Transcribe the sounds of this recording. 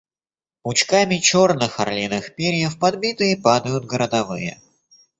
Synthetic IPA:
ʊt͡ɕkamʲɪt͡ɕo̞rnɨxɐrlʲinɨxpʲeɾʲɪjəfpɐd̪bʲit̪ɨjəpad̪əjʊt̪ɡəɾəd̪ɐvɨjə̰

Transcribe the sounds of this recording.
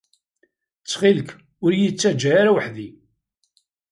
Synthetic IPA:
t͡sːχilk | ʊɾjit͡sːæd͡ʒːaaɾawəħði

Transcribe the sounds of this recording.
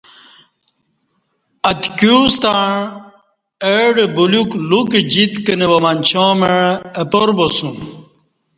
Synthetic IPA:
ɐt̪kust̪aɳ | eɖebulukluked͡ʑit̪kənewɐmanʲt͡ɕomeɻɐpoɾbosum

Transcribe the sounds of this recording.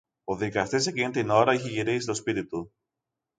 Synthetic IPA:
o̞ðikɐst̪isecinet̪eino̞ɾɐiçeʝiɾisit̪o̞spit̪it̪u

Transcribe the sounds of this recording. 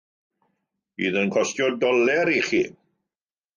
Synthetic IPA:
ḭːðənkʰɔstjɔdɔlɛɾiχḭː

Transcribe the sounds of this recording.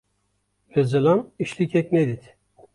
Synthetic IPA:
vɛzɯlˠaniʃlʲicʰɛkʲned̪it̪

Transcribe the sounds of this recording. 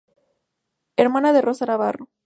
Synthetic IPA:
eɾmanaðerʔo̞sanaβaro

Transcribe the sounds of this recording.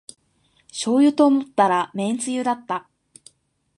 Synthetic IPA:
ɕo̞ːjɯ̟t̪o̞ːmot̪ːaɾamẽ̞nt͡sɨjɯ̟d̪at̪ːa

